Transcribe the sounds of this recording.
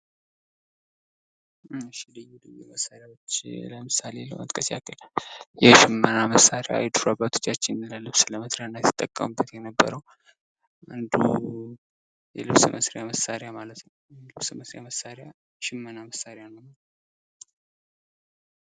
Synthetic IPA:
ɨʃilɨjulɨjɛ̰məsaɾjawot͡ʃːləmɨsalelə̰wə̰t̪ʼkʼəsja̰kʰəljɛʃɪmːənaməsaɾja̰a̰jd̪ɾabat̪ʰo̥t͡ʃːat͡ʃːɪnləlɨβsləməsɾejanːajt̪ʰɨ̥t̪ʼːəkʼːə̰mɨbːət̪jɛnəbːə̰ɾəw | ʔand̪ṵ | jɛ̰lɨβsmə̰sɾjaməsaɾjamalət̪nəwlɨβsməsɾjaməsːaɾja | ʃɪmːənaməsaɾejanəwal

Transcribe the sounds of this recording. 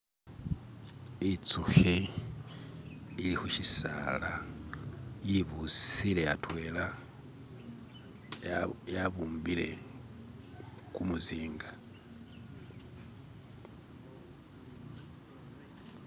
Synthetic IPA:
it͡suxe | ilixuʃisa̰la | jiβusile̞ja̰twe̞ːla | jaβuːmbile̞̰ | kumuziːŋɡa

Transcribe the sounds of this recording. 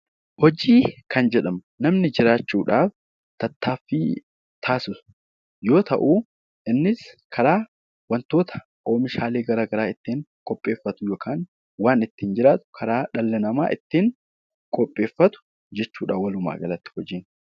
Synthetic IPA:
hɔd͡ʒiːkʰɐnd͡ʒɛᶑɐm | nɐmnɪd͡ʒɪɾaːt͡ʃːuːᶑaːf | t̪ɐt̪ːaːfːɪ | t̪ʰaːsʊs | jo̞ːt̪ɐ̰ʔuː | ʔɪnːɪskʰɐɾaː | wɐnt̪oːt̪ʰɐ̥ | ʔo̞ːmɪʃaːle̞ːɡɐɾaɡɐɾaːɪt̪ːiːŋkʼɔpʼːe̞ːfːɐt̪ʊjoːkʰaːn | waːnɪt̪ːiːnd͡ʒɪɾaːt̪ʊ̥kʰɐɾaːᶑɐlːɛnɐmaːʔɪt̪ːiːŋ | kʼɔpʼːe̞ːfːɐt̪ʊ̥ | d͡ʒɛt͡ʃːuːᶑaːwɐlʊma̰ːɡɐlɐt̪ːɪ̥hɔd͡ʒiːn

